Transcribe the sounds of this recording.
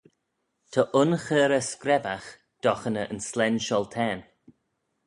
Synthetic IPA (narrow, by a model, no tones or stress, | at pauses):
t̪ʰəʔʊnxɛːɾəskɾɛbax | d̪̥ɔxənəʔənslɛnʃɔlˠt̪ʰɛːn